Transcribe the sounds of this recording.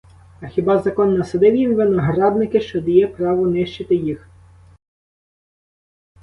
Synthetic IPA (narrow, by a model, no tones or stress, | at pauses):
ɐxʲibɑzɐkɔnːɐsɐd̪ɪwjimʋɪnɐɦɾɑd̪̚nɪkɪʃt͡ʃɔd̪ɐjɛpɾɑʋʊnɪʃt͡ʃɪt̪ɪjix